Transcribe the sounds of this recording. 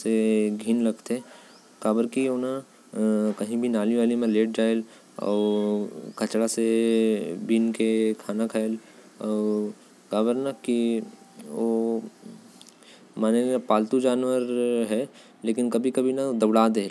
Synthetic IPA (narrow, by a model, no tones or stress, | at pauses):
seɡʱiːnlɐɡt̪e | kaːbəɾkioːna | kɐɦĩbʱinaːliʋaːlimẽleːʈ̚d͡ʒaːɪl | ɔ̰ːɾkʰɐt͡ʃɽase | biːnkekʰaːnakʰael | ɔːɾ | kaːbəɾnɐki | o | maːnepaːlt̪ud͡ʒaːnʋəɾɦɛ | leːkɪnkɐbʱikɐbʱinad̪ɐbɽaːd̪el